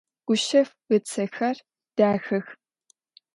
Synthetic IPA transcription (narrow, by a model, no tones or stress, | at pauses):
ɡ̥ʷʊʃɐf | ɣɨt͡sʰɐxɐr | d̥aːxɐx